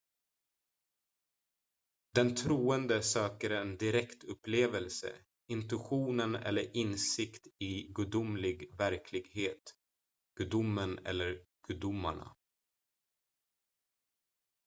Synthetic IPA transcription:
d̪ɛnt̪ʰɾuːənd̪əsœːkəɾɛnd̪ɪɾɛkt̪ʰɵpːleːvəlsə̰ | ɪnt̪ɵɧuːnənɛ̰lːəɾɪnsɪkt̪ɪɡʉd̪ʊmlɪɡvæɾkʰlɪɡheːt̪ | ɡ̥ʉd̪ʊmːənɛ̰lːəɾɡ̥ʉːd̪ʊmːa̰ɳa̰

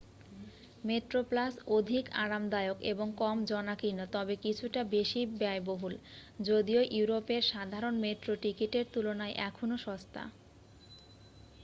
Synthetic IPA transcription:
meʈɾoplasod̪ʱika̰ɾamd̪aeokeboŋkɔmd͡ʑɔnakinot̪ɔbekit͡ɕʰuʈabeʃibaeboɦuld͡ʑod̪ioʔiuɾopeɾʃad̪ʱaɾonmeʈɾoʈikiʈeɾt̪ulonaeʔɛkʰonoʃɔst̪a̰

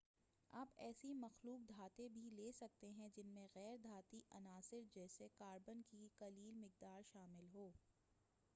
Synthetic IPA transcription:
aːpɛːsimɐxluːk̚d̪ʱaːt̪ẽbʱileːsɐk̚t̪eɦɛ̃d͡ʒɪnmẽɣɛːɾd̪ʱaːt̪iʔɐnaːsɪɾd͡ʒɛːsekaːɾbənkikɐliːlmɪk̚d̪aːɾʃaːmɪlɦoː

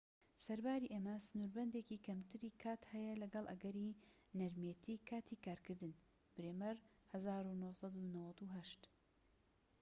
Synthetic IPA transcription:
sɐɾbaːɾiːʔeːmɐsɨnuːɾbɐnd̪ecikʰɐmt̪ʰɨɾiːkʰaːt̪hɛjɐlɐɡɐlˠʔɐ̰ɡɐɾi | nɐɾmjet̪ʰiːkʰaːt̪ʰikaːɾkɨɾd̪ɨn | b̥ɨɾemɐɾ | hɐzaːɾunohsɑd̪unɐwɐd̪uɦɐʃt̪

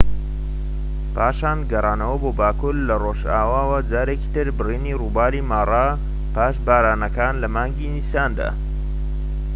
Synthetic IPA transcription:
paːʃaːnɡɐrˤɑːnɐwɐboːbaːkuːɾlɐroːʒaːwaːwɐd͡ʒaːɾeki̥t̪ɨɾbɨriːniruːbaːlimaːrˤɑ | paːʃbaːɾaːnɐkaːnlɐmaːŋɡinisaːnd̪a̰ː

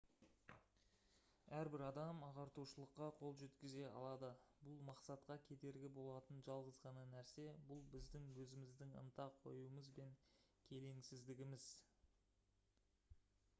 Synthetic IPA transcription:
æɾbɪɾɑd̪ɑmɑʁɑɾt̪uʃəlˠəqːɑqʰo̞lˠʒet̪kʲɪze̞ɑ̰lˠɑd̪əbʊlˠmɑqsɑt̪qɑkʲʰe̞d̪e̞ɾɡʲɪbo̞lˠɑt̪ənʒɑlˠʁəzʁɑnənæɾse̞bʊlˠbɪzd̪ɪŋwɵzɪmɪzd̪ɪŋə̰nt̪ɑqʰo̞̰juəməzbe̞ŋ | kʲʰe̞le̞ŋsɪzd̪ɪɡʲɪmɪz̥

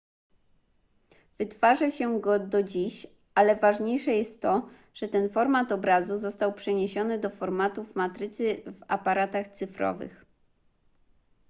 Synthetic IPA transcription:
vɘt̪faʐɛɕɛɡɔd̪ɔd͡ʑiɕ | alɛvaʐɲejʂɛjɛst̪ːɔ | ʐ̥ɛt̪ɛnfɔɾmat̪ɔbɾazuzɔst̪awpʂɛɲeɕɔnɘd̪ɔfɔɾmat̪uvmat̪ɾɘt̪sɘva̰paɾat̪axt̪sɘfɾɔ̰vɘ̰x

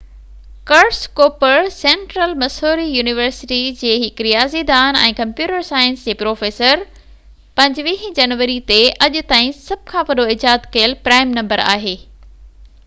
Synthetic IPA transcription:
kɐɾʈskoːpəɾsẽːɳʈɾəlmɐsoːɾijuːnɪʋəɾsɪʈid͡ʑeːɦɪkɾijaːzid̪aːnɛ̰̃ːkɐ̃mpjuːʈəɾsaːjənsd͡ʑeːpɾoːfeːsəɾ | pɐ̃ɲd͡ʑʋiːɦd͡ʑɐnʋəɾit̪eɐʄʊ̆t̪aːĩsɐb̚kʰãʋɐɗoɪd͡ʑaːd̪kɐjəlpɾaːɪmnɐ̃mbəɾa̰ːɦeː

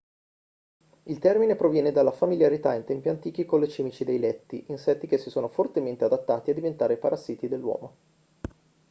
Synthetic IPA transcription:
ilt̪ɛrminepɾovjɛːned̪alːafamiljaɾit̪aint̪ɛmpiant̪iːk̟ikonlet͡ʃɛːmit͡ʃid̪ejlɛt̪ːiʔinsɛt̪ːikesːisoːnofort̪ement̪ead̪at̪ːaːt̪iad̪ːivent̪aːɾepaɾazit̪id̪elːwɔ̰ːmo

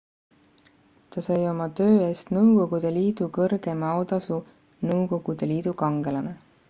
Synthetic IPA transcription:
t̪ɑsɑjo̞mɑt̪ø̞ːe̞ːst̪nɤwko̞ɡ̥ud̪̥e̞liːd̪̥ukɤrɡ̥e̞mɑwd̪ɑsu | nɤwko̞ɡ̥ud̪̥e̞liːd̪̥ukɑŋɡ̥e̞lɑne

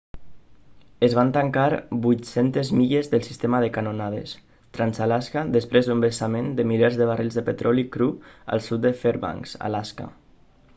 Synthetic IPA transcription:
əzβ̞ant̪aŋkaɾbujt̪sent̪ezmiʎezðəlˠsi̥st̪emaðəkanonað̞ḛs | t̪ɾanzalaskad̪əspɾezðumbəsamend̪əmilɛɾzðəβ̞arilˠzðəpet̪ɾʔɔlikɾua̰lˠsut̪̚d̪əfeɾβa̰ŋsa̰laska̰

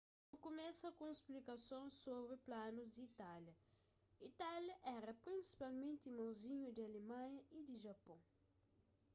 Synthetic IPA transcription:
okumɛsɐkõesplikɐsõsːoβɾɪplanuzd̪iit̪aljɐ | it̪aljɐʔɛɾɐpɾĩnsi̥palˠmẽnt̪imãwziɲud̪ɪalemãɲɐid̪ɪʒɐpõ

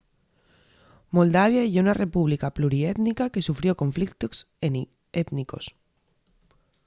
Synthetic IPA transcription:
mold̪aβ̞jaeʝounare̞puβ̞likapluɾiet̪nikake̞sufɾjo̞ko̞ɱflik̚t̪os | et̪niko̞̰s

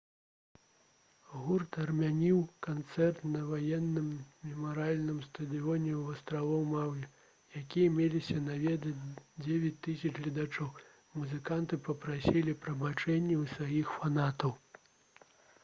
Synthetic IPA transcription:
ɣurt̪ɐrmʲanʲiwkant̪sɛrt̪nɐvajɛnːɨmːʲɛmɐɾalʲnɨmst̪ɐd̪ɨɔnʲɛwɐst̪ɾavɔwmawjʲɛ | jakʲijɐmʲelʲisʲɐnavʲɛd̪ɐd͡zʲevʲɛt͡sʲt̪ɨsʲɐt͡ʂɣlʲɐd̪at͡ʂɔw | muzɨkant̪ɨpɐpɾasʲilʲipɾɐbat͡ʂɛnʲːɛwsvajixfanat̪ɐw

